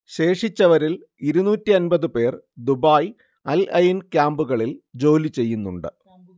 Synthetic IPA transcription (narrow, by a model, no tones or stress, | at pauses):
ɕe̞ːʂit͡ɕːɐʋɐɾil | iɾunuːtːiɐnbɐðɨpe̞ːrd̪ubaːj | ɐlʔɐjinkʲjaːmbuɣɐɭild͡ʑo̞ːlit͡ɕe̞jːunːuɳɖɨ̰